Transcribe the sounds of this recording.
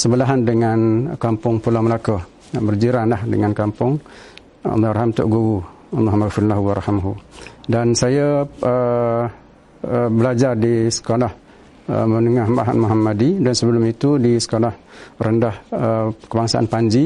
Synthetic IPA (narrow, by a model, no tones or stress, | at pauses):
səbəlaɦandəŋankampʊŋpulaməlakə | bərd͡ʒiɾanlahdəŋankampʊŋ̰ | lːarɦamt̪ʊ̰ʔɡuɣu | muɦamadfuɾnlaɦuwaɾɑhimɦudansajəə | bəlad͡ʒardisə̥kolah | mənəŋahma̰ɦa̰t̪muɦamadidansəbəlʊmit̪udisə̥kolahrəndahəkəbaŋsaʔa̰npaɲd͡ʒi